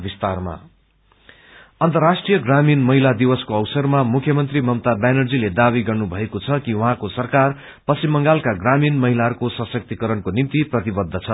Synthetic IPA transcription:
bist̪arma̰ | ʌnt̪ʌrːasʈrijʌɡraminmʌɦilad̪iwʌskoʌwsʌrmamukʰjʌmʌnt̪rimʌmt̪abanʌrd͡ziled̪abiɡʌrnubʱʌekot͡sʰʌkiwuɦãkosʌrkar | pʌsimːʌŋɡalkaɡraminmʌɦilaɦʌɾukosʌsʌk̚t̪ikʌɾʌnkonimt̪iprʌt̪ibʌd̪ʱːʌt͡sʰʌ

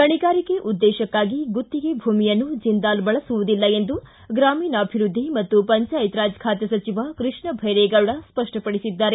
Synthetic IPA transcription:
kɐɳiɡaːɾikeʔud̪ːɛːʃɐkːaːɡiɡut̪ːiɡe̞bʱuːmijɐnːud͡ʒind̪aːlbɐɭɐsuʋud̪ilːɐe̞nd̪u | ɡɾaːmiːnɐːbʱiɾud̪ʱːimɐt̪ːupɐɲt͡ʃɐɐjt̪ɾaːd͡ʒkʰaːt̪jɐsɐt͡ʃiʋɐkɾɨʂɳɐbʱɐjɾɛːɡɐʋɽɐspɐʂʈɐpɐɽisid̪ːaːɾe

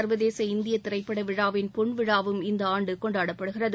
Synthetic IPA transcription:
ɐɾʋɐðeːsɐɪnd̪ɪjɐt̪ːɪɾɐɪpːɐɽɐʋɪɻaːʋɪnpɔɳʋɪɻaːʋɯmɪnd̪ɐaːɳɖɯkɔɳɖaːɽɐpːɐɽɯɣɪrɐðɯ

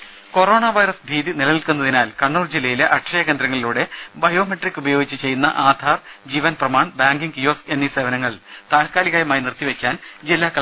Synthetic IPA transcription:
ko̞ro̞ːɳaʋɐjɾɐsbʱiːðinilɐnilkunːɐðinaːlkɐɳːuːrd͡ʑilːɐjile̞ʔɐʈʂɐjɐɣe̞ːnd̪ɾɐŋːɐɭiluːɽe̞bɐjo̞ːmeʈrikʲːubɐjo̞ːɡit͡ɕːɨt͡ɕe̞jːunːɐ̰ʔaːd̪ʱaːrd͡ʑiːʋɐnprɐmaːɳbaːŋɡiŋɡjoːse̞nːise̞ːʋɐnɐŋːɐɭt̪aːlkaːliɣaːjɐmaːjinirt̪ːiʋe̞kʲːaːnd͡ʑilːaːkːɐ

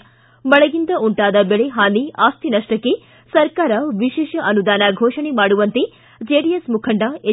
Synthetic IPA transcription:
bɐɭɐɡind̪ɐʔuɳʈaːd̪ɐbeɭeɦaːniaːst̪ʰinɐʂʈɐkːe | sɐɾkaːɾɐʋiʃeːʃɐʔɐnud̪aːnɐɡʱoːʂɐɳemaːɽuʋɐnt̪e | d͡ʒeːɖijesmukʰɐɳɖɐe

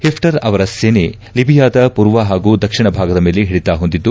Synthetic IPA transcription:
hipʰʈɐɾɐʋɐɾɐseːne | libʱijaːd̪ɐpuːɾʋɐɦaːɡuːd̪ɐkʂiɳɐbʱaːɡɐd̪ɐmeːleɦeɭit̪aːɦond̪id̪ːu

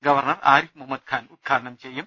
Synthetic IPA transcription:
ɡɐʋɐrɳɐraːɾifmumːɐd̪̚kʰaːnud̪̚ɡʰaːɽɐɳɐmt͡ɕejːum

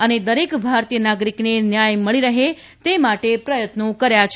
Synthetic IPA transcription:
əned̪əɾekbʱaɾt̪ijənaɡɾiknenjajməɭiɾəɦe | t̪emaʈepɾəjət̪nokəɾjat͡ʃʰ

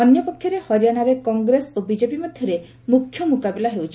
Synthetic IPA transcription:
ɔnjɔpɔkʰjɔɾehɔɾjaɽ̃aɾekɔŋɡɾesobid͡ʒepimɔd̪ʱjɔɾe | mukʰːjɔmukabilaɦewt͡ʃʰi

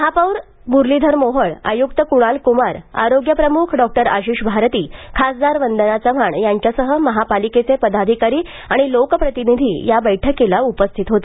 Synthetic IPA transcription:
əɦapəwɾ | buɾlid̪ʱəɾmoɦəɭa̰juk̚t̪əkuɽ̃alkumaɾa̰ɾoɡjəpɾəmukʰɖɔk̚ʈəɾa̰ɕiːɕbʱaɾt̪iːkʰasd̪aɾʋənd̪ənat͡səm̤aɳjaɲt͡ɕjasəɦəməɦapaliket͡sepəd̪ad̪ʱikaɾiː | aɽ̃ilokpɾət̪inid̪ʱḭːjabəjʈʰəkːelaupəst̪ʰit̪ɦot̪ḁ

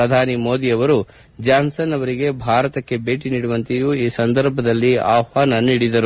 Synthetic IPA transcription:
ɾɐd̪ʱaːnimo̞ːd̪iɐʋɐɾu | d͡ʒaːnsɐnɐʋɐɾiɡe̞bʱaːɾɐt̪ɐkːe̞beːʈiniːɽuʋɐnt̪ijuiːsɐnd̪ɐɾbʱɐd̪ɐlːia̰ːʋaːnɐniːɽid̪ɐɾu

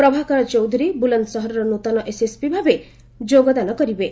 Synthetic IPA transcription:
pɾɔbʱakɔɾɔt͡ʃɔwd̪ʱuɾibuland̪sɔɦɔɾɔɾɔnut̪ɔnɔʔesespibʱabe | d͡ʒoɡɔd̪anɔkɔɾibe

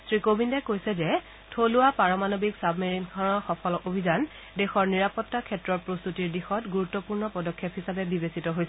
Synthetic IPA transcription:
sɹikobʱindɛkojsɛzɛ | tʰoluapaɹɔmanobiksabmiɹinkʰaɹɔxɔpʰɔlɔobʱizan | dɛxɔɹniɹapɔtːakʰɛtɹɔɹpɹost̪utiɹdixɔtɡuɹutːɔpuɹnɔpɔdɔkʰːepɦisabɛbibesitɔɦojsɛ

